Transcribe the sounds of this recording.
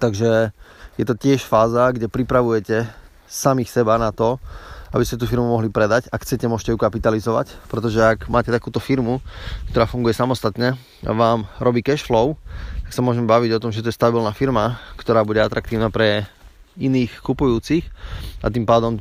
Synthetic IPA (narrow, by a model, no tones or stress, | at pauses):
t̪aɡʒɛjɛt̪ɔcɪɛʃfaːzaɡɟɛpɾipɾaʋujɛcɛ | samixsɛbanat̪ɔabiscɛt̪uːfiɾmumɔɦlipɾɛd̪acaxt͡sɛcɛmʊɔʃcɛjukapit̪alizɔʋa̰cpɾɛt̪ɔʒɛakmaːcɛt̪akuːt̪ɔfiɾmukt̪ɔɾaːfuŋɡujɛsamɔst̪at̪ɲɛ | a̰ʋaːmɾɔbiːkɛʃflɔʊt̪ḁksamʊɔʒɛmɛbaʋiɟɔt̪ɔmʒɛt̪ujɛst̪abilnafiɾmakt̪ɔɾaːbuɟɛat̪ɾak̚t̪iːʊnaːpɾɛ | iniːxkupujuːt͡sixa̰t̪iːmpaːd̪ɔm